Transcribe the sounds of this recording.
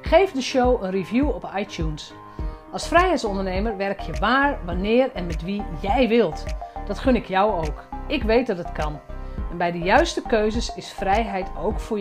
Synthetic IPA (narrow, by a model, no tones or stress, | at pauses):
xejvdəʃowənrivjuɔpajtjuns | ɑlˠsfrɛjɦɛjtsɔndərneːməɹʋɛrkʰjəʋaːɹʋanɪːrɛnmɛtʋijɛjʋɪlˠtd̥ɔtχønɪkʰjɔwoːkɪkʋejt̚dɔdətkʰɑnɛnbɛjdəjœɥstəkøɥzəsɪsfrɛjɦɛjtʰowkfʊ